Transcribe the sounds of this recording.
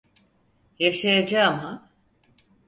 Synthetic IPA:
jaʃajad͡ʒama

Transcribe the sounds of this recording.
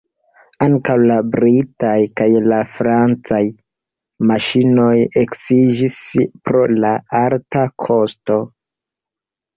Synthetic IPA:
aŋkawlabɾitajkajlafɾant͡saj | maʃino̞jeksid͡ʒispɾo̞laaɾtakʰo̞sto̞

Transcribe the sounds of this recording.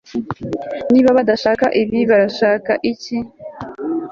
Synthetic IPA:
niːβaβadaʃaːkaʔiβiβaɾaʃaːkaʔici

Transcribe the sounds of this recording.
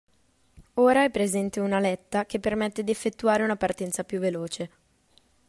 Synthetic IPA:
oːɾaɛpːɾezɛnt̪eunalɛt̪ːak̟epːermɛt̪ːed̪iefːet̪ːuaːɾeunapart̪ɛnt̪sapjuvːeloːt͡ʃe

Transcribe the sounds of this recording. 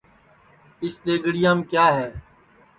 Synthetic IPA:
ɪsd̪eːɡəɽɪjãːmkjaːɦɛː

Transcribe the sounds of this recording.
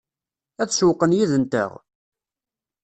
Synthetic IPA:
æθʃuwqːənjiðənt̪ə̰ʁ

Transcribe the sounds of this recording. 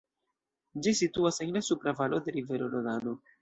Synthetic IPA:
d͡ʒisituaseŋlasupɾavalo̞d̪e̞ɾive̞ɾolodano

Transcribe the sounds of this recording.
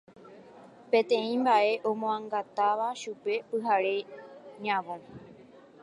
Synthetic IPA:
pẽ̞t̪ẽ̞ĩmbaʔe̞ʔõ̞mõãŋɡat̪aʋaʃupe̞pɨɦaɾe̞ɲãʋõ

